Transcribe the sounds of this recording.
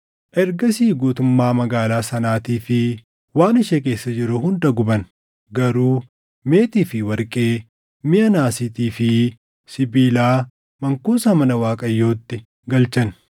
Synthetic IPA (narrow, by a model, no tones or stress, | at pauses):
ʔɛɾɡɐsiːɡuːt̪ʊmːaːmɐɡaːlaːsɐnaːt̪iːfɪ | waːnɪʃɛk̬e̞ːsːɐd͡ʒɪɾʊhʊnd̪ɐɡʊbɐn | ɡɐɾuː | me̞ːt̪iːfɪwɐɾkʼe̞ː | mɪɐnaːsɪt̪iːfɪ | sɪbiːlaː | mɐŋkuːsɐmɐnɐwaːkʼɐjːo̞ːt̪ːɪ | ɡɐlt͡ʃɐn